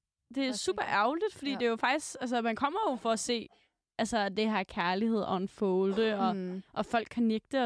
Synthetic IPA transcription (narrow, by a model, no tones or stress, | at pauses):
d̥e̝æsṵːb̥ɐʔæʊlid̥fɒd̥ḭːd̥e̝jo̝fɑ̈ɡ̥d̥isɡ̥æls̬əmænkʰɒ̽m̰ɐjo̝fɒ̽æse̝̰ː | ʔælsəæd̥e̝hæɐkʰæɐlihe̝ð̰ˠɒ̽enfɔʊld̥əɒ̽ʔɒ̽fɒ̽l̰ɡ̥ʰæneɡ̥̚d̥ə